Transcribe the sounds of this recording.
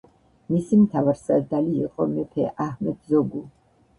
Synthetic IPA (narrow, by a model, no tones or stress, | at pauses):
misimt̪ʰavaɾsad̪aliːqʼɔmɛpʰɛʔahmɛd̪zɔɡu